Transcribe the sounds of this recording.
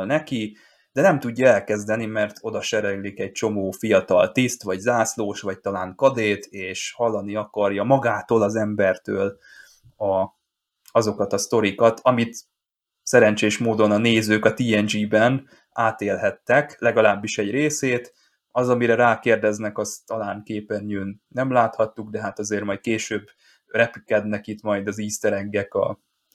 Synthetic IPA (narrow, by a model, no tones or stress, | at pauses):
lnɛki | d̪̥ɛnɛmt̪uɟːɒɛlkɛzd̪ɛnimɛrt̪ʰo̞d̪ɒʃɛɾɛllːikɛɟ̚t͡ʃo̞moːfijɒt̪ɒ̰lt̪ist̪ʋɒɟzaːsloːʃʋɒc̚t̪ɒlaːŋkɒd̪eːt̪eːʃhɒlːɒniɒkɒrjɒmɒɡaːt̪oːlɒzɛmbɛrt̪øːl | ɒ | ɒzo̞kɒt̪ɒst̪o̞ɾikɒt̪ʰɒmit̪ | sɛɾɛnt͡ʃeːʃmoːd̪o̞nɒneːzøːkɒt̪iːɛnd͡ʒiːbɛn | aːt̪eːlɦɛt̪ːɛklɛɡɒlaːbːiʃɛɟreːseːt̪ | ɒzɒmiɾɛɾaːkeːrd̪ɛznɛkɒst̪ɒlaːŋkeːpɛnjøːnːɛmlaːt̪hɒt̪ːuɡ̚d̪ɛɦat̪ɒzeːrmɒjt̪̚keːʃøːb | rɛpy̥kɛd̪nɛkit̪mɒjd̪ɒziːst̪ɛɾɛŋɡɛkɒ̰